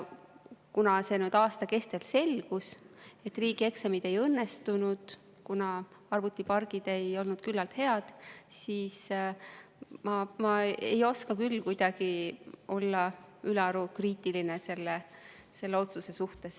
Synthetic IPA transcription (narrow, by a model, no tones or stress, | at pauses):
kunɑse̞nyːd̪̥ɑːst̪ɑke̞st̪e̞lse̞lɡ̥use̞t̪ːˑriːɡ̥ie̞ksemid̪̥e̞jɤnːest̪unud̪̥ | kunɑ | ɑrvut̪ːˑipɑrɡ̥id̪̥e̞jo̞lnud̪̥kylːɑlt̪he̞ɑd̪̥siːs | mɑmɑḛjo̞skɑkylːkujd̪̥ɑɡ̥io̞lːɑyleɾukriːt̪ilinese̞lːe | se̞lːeo̞t̪suse̞suht̪e̞s